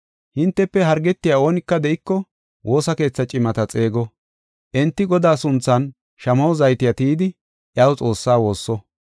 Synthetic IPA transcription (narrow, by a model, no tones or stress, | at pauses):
hɪnt̪ːɛpːɛɦɐɾɡɛt̪ːɪjao̞ːnɪkːɐd̪ɛʔɪkːɔ | wʔo̞ːsɐke̞ːt͡sːɐt͡ʃʼɪmɐt̪ɐt͡sʼe̞ːɡɔ | ʔɛnt̪ːɪɡɔd̪aːsʊnt͡sːɐn | ʃɐmɐwzɐjt̪ɪjɐt̪iːd̪ɪ | ʔjaːwt͡sʼo̞ːsːaːwo̞ːsːɔ